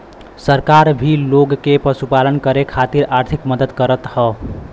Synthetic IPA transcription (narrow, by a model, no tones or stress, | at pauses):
səɾkaɾbʱiloɡkepəsupalənkəɾekʰat̪iɾaɾt̪ʰikməd̪əd̪kəɾət̪hə